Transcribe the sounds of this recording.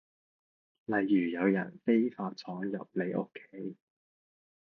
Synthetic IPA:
lɐ˨jːyː˨˩jɐ˨˧wjɐ̰˨˩nfe˥jfaː˧t̚t͡sʰɔː˨˥ŋjɐ̰˨p̚le˨˧jʔo˥kʰːe˥j

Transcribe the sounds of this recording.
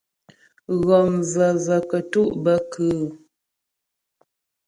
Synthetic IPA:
ɣɔ˨mzə˨zə˨kə˨tu˦ʔbə˦kʰʉ˨˦˨

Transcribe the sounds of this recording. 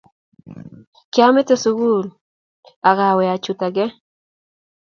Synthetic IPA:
kja˦me˦t̪e˦sʊɣu˦l | a˨ɣa˨we˨a˨t͡ʃut̪a˨ɡe˦

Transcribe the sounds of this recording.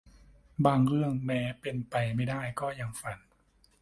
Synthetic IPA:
baː˧ŋɾɯ˥˩əŋmɛː˦˥pe˧npa˧jma˥˩jdaː˥˩jkɔː˥˩ja˧ŋfa˧n

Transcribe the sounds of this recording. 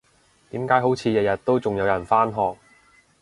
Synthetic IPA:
t̪iː˨˥mkaː˨˥jɦo˨˥wt͡sʰiː˨˧jɐ˨˧jɐ˨t̚t̪ːo˥wt͡sʊ˨ŋjɐ˨˧wjɐ˨˩nfaː˥nɦɔː˨k̚

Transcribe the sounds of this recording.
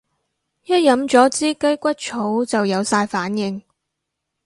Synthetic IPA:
jɐ˥t̚jɐ˨˥mt͡ʃɔː˨˥t͡siː˥kɐ˥jkʷɐ˥t̚t͡ʃʰo˨˥wt͡sɐ˨wjɐ˨˧wsaː˧jfaː˨˥njɪ˨ŋ

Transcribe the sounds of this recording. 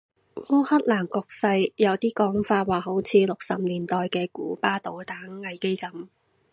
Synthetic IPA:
ŋʊː˥hɐ˥t̚laː˨˩nkʊ˨˧k̚sɐ˧jjɐ˨˧wt̪iː˥kɔː˨˥ŋfaː˧t̚waː˨˩ɦo˨˥wt͡sʰiː˨˧lʊ˨k̚sɐ˨p̚niː˨˩nt̪ɔː˨jkɛː˧kuː˨˥paː˥t̪o˨˧˥wt̪aː˨˥ŋːɐ˨˧jke˥jkɐ˨˥m

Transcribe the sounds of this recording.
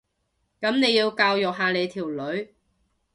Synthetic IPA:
kɐ˨˥mne˨˧jiː˧wkaː˧wjʊ˨k̚ɦaː˨˧le˨˧jt̪ʰiː˨˩wlɵ˨˧˥ɥ

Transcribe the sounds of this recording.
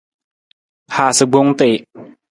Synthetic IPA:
haː˨˩sə˨ɡ͡bo˧˦ŋt̪e˨

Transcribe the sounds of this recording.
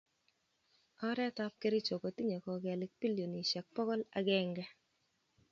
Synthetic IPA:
ɔ˦ɾɛ˦tɔ˦p̚ke˦ɾɪ˦t͡ʃo˨kɔ˨ti˦ɲe˨kɔ˨ɡɛ˨lɪ˦k̚pi˦lio˨ni˨ʃɛ˨k̚pɔ˦kɔ˦la˨ɡɛ˦ŋɡɛ˦

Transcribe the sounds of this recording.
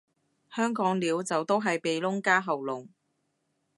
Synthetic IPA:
hœː˥ŋkɔː˨˥ŋliː˨˧wt͡sɐ˨wt̪o˥wɦɐ˨jpe˨jlʊ˥ŋkaː˥ɦɐ˨wlʊ˨˩ŋ

